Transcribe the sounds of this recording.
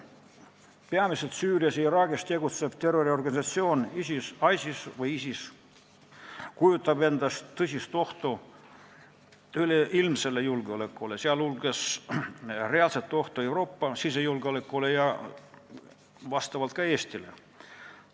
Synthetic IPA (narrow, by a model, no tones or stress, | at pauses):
peɑmiselt̪syːriɑseiɾɑːɡist̪e̞ɡut̪se̞b̥̚t̪e̞roɾio̞rɡɑnisɑt̪sio̞ːnisisɑjsʲisvɯjisis | kujut̪ːˑɑbe̞nd̪̥ɑst̪t̪ːɤsʲist̪o̞ht̪o | yleʔilmse̞lːejulɡ̥eolekːˑuleseɑlulɡ̥es | re̞ɑlset̪ːˑo̞ht̪oe̞wɾo̞ːpːɑsisejulɡ̥eolekːˑulejɑ | vɑst̪ɑvɑlt̪̚kɑeːsʲt̪ilḛ